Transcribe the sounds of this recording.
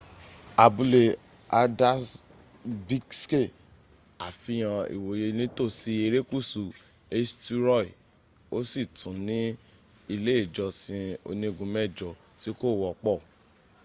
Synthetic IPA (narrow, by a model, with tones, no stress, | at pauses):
a˨bu˧le˧ | a˧da˦s | vi˦kske˦˨ | a˨fi˨˦j̃ã˧ḭ˨wo˨je˧nĩ˦to˦˨si˧˦e˧ɾe˦ku˦˨su˨ | e˧stu˦ɾɔ˦˨i˨ | o˦si˦˨tʰũ˨˦nĩ˦ | i˧le˦i˦˨d͡ʒɔ˧sĩ˧o̰˧nĩ˧˦˧ɡũ˧˦mɛ˦˨d͡ʒɔ˧ | ti˨˦ko˦˨wɔ˨k͡pɔ˦˨